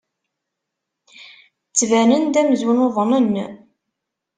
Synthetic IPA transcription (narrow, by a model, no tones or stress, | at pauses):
t͡sːvænənd̪æməzwənoðˤnənː